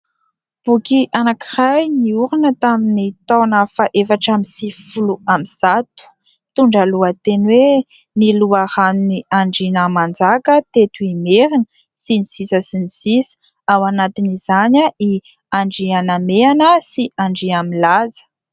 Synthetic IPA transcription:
b̥ukiʔanakirajniuɾinət̪aminit̪awnəfaʔefaʈ͡ʂamisifuluamiz̥at̪u̥ | t̪uɳɖ͡ʐaluət̪enwe | niluahanuniaɳɖ͡ʐinəmand͡zakət̪et̪uimeɾinə | siniz̥isəsinizis | awanat̪inizaɲai | aɳɖ͡ʐianameanəsiʔaɳɖ͡ʐiamilazə̥

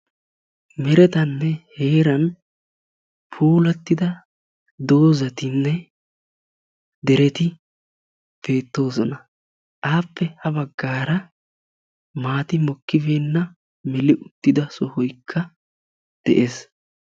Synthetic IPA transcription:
mɛɾɛt̪ɐnːɛhe̞ːɾɐn | pʰuːlɐt̪ːɪd̪ɐ | d̪o̞ːzɐt̪ɪnːɛ | d̪ɛɾɛt̪ɪ | b̥e̞ːt̪ːo̞ːzɔnɐ | ʔaːpːɛhɐbɐɡːaːɾɐ | maːt̪ɪmɔkːɪbeːnːɐ | mɛlɪʔʊt̪ːɪd̪ɐsɔhɔjkʰːɐ | d̪̥ɛ̰ʔeːs

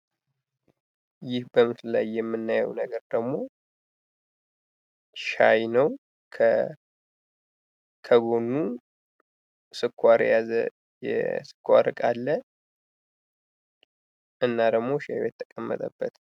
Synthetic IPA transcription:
jɪhbəmɨslla̰jːɛmːɨnːajə̰wnəɡəɾd̪əɡmo̞ | ʃa̰jnəw | kʰə | kʰəɡo̞nːu | sɨkʰːʷaɾjazə | jɛ̰sɨ̥kʰːʷaɾɨkʼalːə | ʔɨnːad̪əɡmo̞ʃajjɛt̪ʰʼːə̥kʼəmːə̰t̪ʼəbːət̪

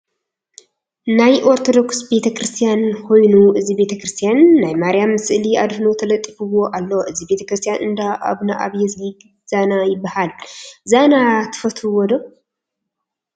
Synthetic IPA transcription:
najʔo̞ɾt̪ʰo̞d̪o̞ksbe̞t̪ʰɐkɾɨst̪ʰijankʰo̞jnuɨzibe̞t̪ʰɐkɾɨst̪ʰijanːajmaɾjamɨsɨʔliad̪hnot̪ʰɐlɐt̪ʼːifɨwo̞ʔalːoʔɨzibe̞t̪ʰɐ̥kɾɨst̪ʰijanɨnd̪aʔa̰βnaʔa̰βjɛzliɡ | z̥anajɪbːahalzanat̪ʰɨ̥fɐt̪ʰuwɔd̪o

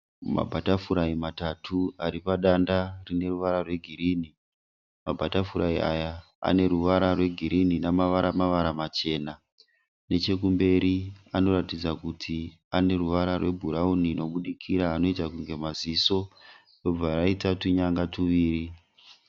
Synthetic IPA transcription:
ma̰bʱatafuɾaimatatʰuaɾipaɗandarine̞ruʋaɾarwe̞ɡʱiɾiːni | mabʱatafuɾaiʔaja | a̰ne̞ɾuʋaɾarwe̞ɡʱiɾininamaʋaɾamaʋaɾamat͡ʃe̞ːna | ne̞t͡ʃe̞k̬umbe̞ɾiano̞ɾatid͡zakutʰi | ane̞ruʋaɾarwe̞bʱuɾaunino̞ɓuɗikʰiɾaːno̞itakuŋɡe̞maziso̞ | rob͡vʱaɾaitatuɲaŋɡatuʋiːri

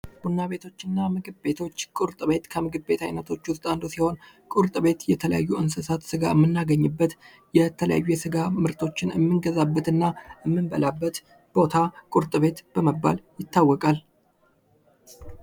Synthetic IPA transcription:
b̥unːaβe̞t̪ʰo̞t͡ʃːɪnːamɨɡɨbbe̞t̪ʰo̞t͡ʃːkʼʊɾt̪ʼɨβe̞t̪kʰəmɨɡɨbbe̞t̪ʰa̰jnət̪ʰo̞t͡ʃːwʊst̪ʼand̪usiho̞n | kʼʊɾt̪ʼɨβe̞t̪jɛt̪ʰələja̰jːuʔɨnsɨsat̪sɨɡaɨmːɨnːaɡəɲːɨbːət̪ | jɛt̪ʰələja̰jːujɛsɨɡamɨɾt̪ʰo̞t͡ʃːɪnɨmːɨnɡəzabːət̪ɨnːaɨmːɨnbə̰labːət̪ | b̥o̞t̪ʰakʼuɾt̪ʼɨβe̞t̪b̥əməbːa̰ljɪt̪ːawːɔkʼal

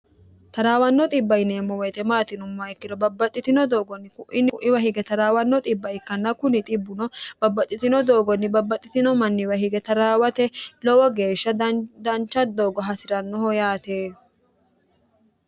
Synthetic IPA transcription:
t̪ɐɾaːwɐnːɔt̪ʼɪbːɐjɪneːmːɔwɛt̪ɛmaːt̪ɪnʊmːɐɪkːɪd̪ɔbɐbːɐt̪ʼːɪt̪ɪnɔd̪oːɡɔnːɪkʊʔɪnːɪʔɪwɐhɪɡɛt̪ɐɾaːwɐnːɔt̪ʼɪbːɐɪkːɐnːɐkʊnɪt̪ʼɪbːʊnɔb̥ɐbːɐt̪ʼːɪt̪ɪnɔd̪o̞ːɡɔnːɪbɐbːɐt̪ʼːɪt̪ɪnɔmɐnːɪwɐhɪɡɛt̪ɐɾaːwɐt̪ɛlɔwɔɡe̞ːʃːɐd̪ɐnt͡ʃːɐd̪oːɡɔɦɐsɪɾɐnːɔɦɔjaːt̪eː

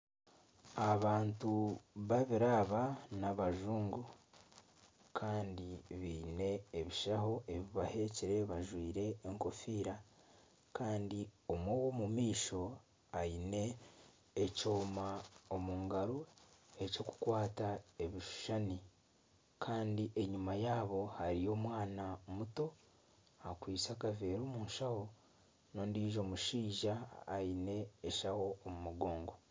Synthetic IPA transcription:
aβaːntuβaβiɾaβanaβaʒuːŋɡo | kʰaːndiβiːne̞ːβiʃaho̞ʔe̞βiβahe̞ciɾe̞βaʒwiːɾe̞ːŋko̞fiːɾa | kʰaːndio̞mwoːwomumiːʃo̞ | ajine̞ː | co̞ːmaomuːŋɡaɾue̞co̞ku̥kwaːtae̞βiʃu̥ʃani | kʰaːndiʔe̞ɲumajaːβo̞haɾijo̞ːmwaːnaomuto̞ | akwiːt͡sakave̞ːɾoːmuːnʃawo̞ | no̞ːndiːʒo̞ːmuʃiːʒa̰ːjine̞ːʃaho̞ːmumuɡo̞ːŋɡo̞

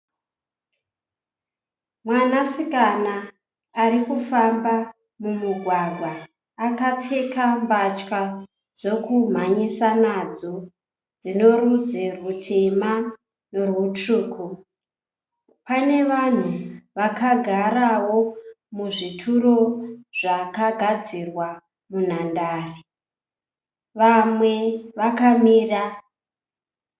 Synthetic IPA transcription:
mwanasikanaː | ɾikufamba | mumuɡʱwaɡʱwaː | kap͡fekambat͡ʃka | d͡zokum̤aɲisanad͡zo̞ | d͡zino̞rud͡zerutʰe̞ma | norwut͡ʂuːkʰu | pane̞ʋan̤uʋakaɡʱaɾawo̞ | muʐitʰuro̞ʐakaɡʱad͡zirwa | mun̤andaːri | ʋamwe̞ʋakamiːra

